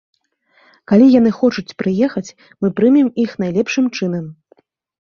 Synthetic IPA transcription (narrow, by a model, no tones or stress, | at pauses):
kalʲijan̪ɨxɔt͡ʂut͡sʲpɾɨjɛxɐt͡sʲ | mɨpɾɨmʲimixnajlʲɛpʂɨmt͡ʂɨnɐm